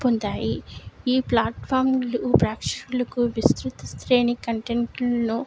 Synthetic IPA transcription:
pond̪aːjiiːplaːʈpʰaːɾmlubɾaːkʂɐkulɐkuʋist̪ɾut̪ɐst̪ɾeːnikɐɳʈeɳʈlɐnu

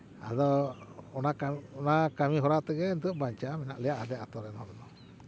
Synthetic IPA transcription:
a̰d̪ɔɔnakaɔnakamiɦɔɾat̪ɛɡɛnt̪uʔbaɲt͡ʃamɛnaʔlɛjaʔad̪ɛat̪ɔɾɛnhɔɾɛd̪ɔ

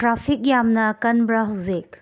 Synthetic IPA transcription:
tɾapʰik̚jamnɐkɐnbɾɐɦɐwzik̚

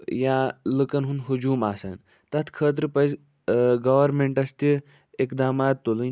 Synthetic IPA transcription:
jãlɨkɐnɦunɦud͡ʒuːmaːsa̰ːn | t̪ɐt̪ʰkʰəːt̪̬ɾɨpɐjz | ɡɐʋɐɾmeɳʈɐst̪i | ekd̪aːmaːt̪ːolɨn

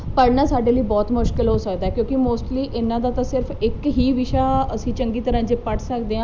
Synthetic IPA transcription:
pəɾnaːsaːɖeːliːbɔːt̪mʊʃkɪlɦoːsəkd̪aːɛːkjõːkɪmoːsʈliːʔɪnːãːd̪aːt̪ãːsɪɾfʰɪkɦiːʋɪʃaːəsĩːt͡ʃəŋɡiːt̪əɾãːd͡ʒeːpəʈʰsəkd̪eːãː

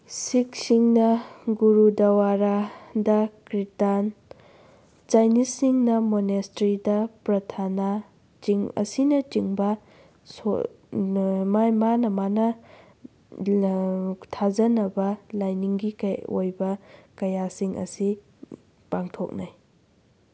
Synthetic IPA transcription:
sik̚siŋnɐɡuɾudɐwaɾadɐkɾitan | t͡ʃajnisiŋnɐmonestɾidɐpɾɐtʰana | t͡ʃiŋɐ̰sinɐt͡ʃiŋbɐ | so̰ | mamanɐmanɐ | tʰazɐnɐbɐlajniŋɡikajo̰jbɐkɐjasiŋʔɐ̰si | paŋtʰok̚naj

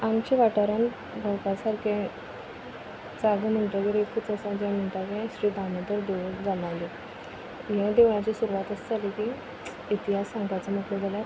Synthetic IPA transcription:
amt͡ɕeʋaʈaɾan | bʱakasaɾkẽ | t͡saɡəm̤əɳʈ̪əkeɾekkʰut͡səsãd͡ʑjam̤əɳʈ̪akẽsɾiːd̪amə̃t̪əɾd̪eʋd͡zanaʋle | jãd̪eʋjãt͡ɕisuɾuʋat̪əsd͡zalekiː | t̪iɦasãŋɡat͡samək̪led͡zʱalaɾ

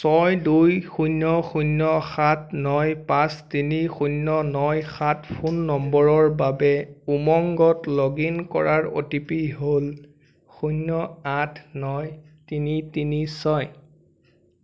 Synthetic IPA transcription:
sɔjdujxunːɔxunːɔxatnɔjpãstinixunːɔnɔjxatʰpʰunːɔmbɔɹɔɹbabɛumɔŋɡɔtlɔɡinkɔ̰ɹaɹo̰tipiɦol | xunːɔatʰnɔj | tinitinisɔj

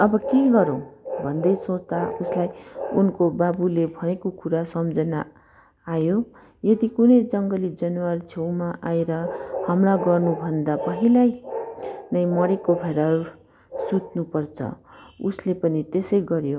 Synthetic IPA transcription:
ʌbʌkeɡʌɾʌ̃w̃bʱʌnd̪ʌjsõt͡st̪auslajunkobabulebʱʌñekokuɾasʌmd͡zʌnaː | jo | jʌd̪ikunʌjd͡zʌŋɡʌlid͡zʌnwart͡sʰewmaʔaeɾʌhʌmlaɡʌrnubʱʌnd̪apʌɦilaj | nʌj̃mʌɾekobʱeɾaɾu | sut̪nupʌrt͡sʰʌ̰uslepʌnit̪esʌjɡʌɾjo

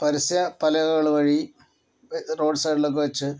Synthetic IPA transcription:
pɐɾisjɐpɐlɐɣɐɣɐɭʋɐɻi | ro̞ːɖsɐjʈilok̬ːɨʋɐt͡ɕːɨ

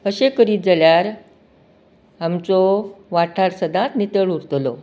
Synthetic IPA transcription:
əɕekəɾiːd͡zəljaɾ | amt͡sɔʋaʈʰaɾsəd̪ʱãt̪nit̪əɭuɾt̪lɔ

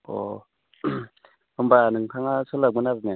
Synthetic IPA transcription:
o̰ | umbaniŋkʰaŋasʰolaɡ͡bunazina

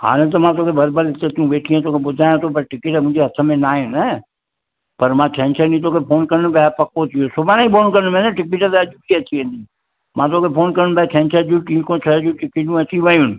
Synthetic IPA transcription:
ha̰ːnẽt̪̬ɐmãt̪oːkʰebɐɾbəɾɪt̪et̪ũbeːʈʰijãt̪oːkʰebʊd̪ʱaːjãt̪op̬ɐɾʈɪkɪʈɛmʊ̃ɦɲd͡ʒeɦɐt̪ʰəmẽnaːẽnɛ | pɐɾmãːt͡ʃʰɛ̃nt͡ʃʰənĩt̪̬oːkʰepʰoːnkɐɾnbɛpɐkot̪ʰijosʊbanaĩbʰoːnkɐɾnmẽnɛʈɪkiʈɛt̪eɐd͡ʒukiɐt͡ʃiʋẽːnd̪i | mãt̪oːkʰepʰoːnkɐɾnbɛːt͡ʃʰɛ̃ːnt͡ʃʰəd͡ʒũʈĩkõt͡ʃʰəd͡ʒũʈɪkiʈũɐt͡ʃiʋɐjun

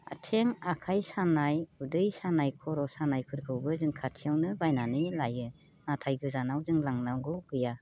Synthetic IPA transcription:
a̰tʰeŋakʰajsanajudɯjsanajkʰɔɾɔsanajkʰɯɾkʰɯwbɯzɯŋkʰatʰijawnɯbajnanilajɯ | natʰajɡɯzanawzɯŋlaŋnawɡɯɡɯja

